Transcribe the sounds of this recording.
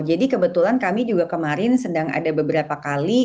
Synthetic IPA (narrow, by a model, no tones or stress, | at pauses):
d͡ʒadikəbət̪ulankamid͡ʒuɡakəmaɾɪnsədaŋa̰dabəbəɾapakali